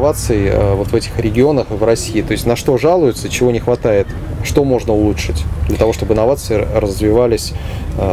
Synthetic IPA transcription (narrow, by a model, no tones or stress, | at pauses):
vat̪sɨɪə̰vo̞t̪vɛtʲɪ̥xɾʲɪɡʲɪo̞nəxɨvrɐsʲiːt̪o̞ɪsʲtʲnɐʂt̪o̞ʐalˠʊjɪt̪sət͡ɕɪvo̞nʲɪxvɐt̪ajɪt̪ | ʂt̪o̞mo̞ʐnəʊlˠutʂɨtʲd̪lʲət̪ɐvo̞ʂt̪obɨnːɐvat̪sɨɪrəəzvʲɪvalʲɪsʲ